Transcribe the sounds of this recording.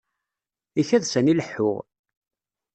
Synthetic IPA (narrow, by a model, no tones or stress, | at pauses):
içæðsæniləħːʊ̰ʁ